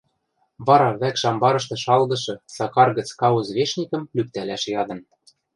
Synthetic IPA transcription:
βɑɾɑβækʃɑmbɑɾɤ̆ʃ̬t̪ɤ̆ʃɑlɣɤ̆ʃɤ̆sɑkɑrɣə̆t͡skɑuzβeʃnʲikɤ̆mlyk̚t̪ælæʃjɑd̪ɤ̆n

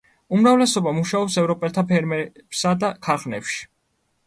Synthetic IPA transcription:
umɾavlɛsɔbamuʃaɔpsɛvɾɔpʼɛlt̪ʰapʰɛɾmɛbsad̪akʰaɾχnɛpʃi̥

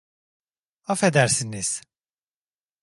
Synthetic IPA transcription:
afed̪æɾsiniz̥

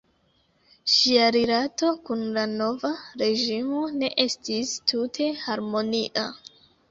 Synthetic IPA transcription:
ʃiaɾilato̞kunlano̞vaɾe̞ʒimo̞ne̞ʔe̞stistutʰe̞haɾmo̞niʔa̰

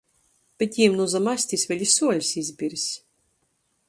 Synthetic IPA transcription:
b̥ʲɛt̪ʲiːmnuzamasʲt̪ʲisvʲɛlʲisuɔlʲsʲizʲbʲiɾsʲ

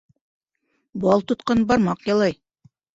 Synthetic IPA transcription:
bɑlˠt̪ŏt̪qɑnbɑɾmɑqjɑlˠɑj

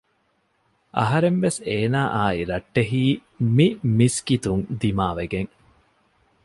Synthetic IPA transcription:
ʔɐ̰ɦɐɾemʋeseːnaːʔaːiɾɐʈːeɦiː | mimiskit̪uŋd̪imaːʋeɡeŋ

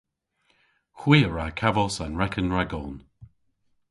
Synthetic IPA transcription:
xwiːəɹakʰavɔsanɹɛkʰənɹaɡɔn

